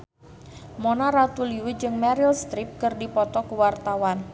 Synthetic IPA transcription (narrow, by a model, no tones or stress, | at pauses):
monaɾat̪uliwɪd͡ʒɨŋmaɾilst̪ɾip̚kɨrdipɔt̪ɔkuwart̪awan